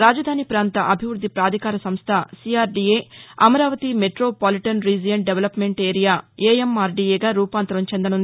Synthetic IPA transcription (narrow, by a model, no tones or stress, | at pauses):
ɾaːd͡ʒɐd̪ʱaːnipɾaːnt̪ɐʔɐbʱiʋɾud̪ʱːipɾaːd̪ʱikaːɾɐsɐmst̪ʰɐsiːaːɾɖieːɐmɐɾaːʋɐt̪imeʈɾoːpaːliʈɐnɾiːd͡ʒijɐɳɖeʋɐlɐpme̞ɳʈeːɾijaːeːemaːɾɖiːeːɡaːɾuːpaːnt̪ɾɐmt͡ʃend̪ɐnund̪i